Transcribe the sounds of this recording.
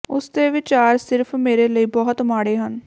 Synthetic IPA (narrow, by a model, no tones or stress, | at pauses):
ʊsd̪eːʋɪt͡ʃaːɾsɪɾpʰmeːɾeːləiːbɔːt̪maːɽeːɦən